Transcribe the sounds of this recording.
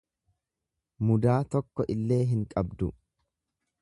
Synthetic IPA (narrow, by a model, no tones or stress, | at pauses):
mʊd̪aːt̪ɔkːɔʔɪlːe̞ːɦɪŋkʼɐbd̪ʊ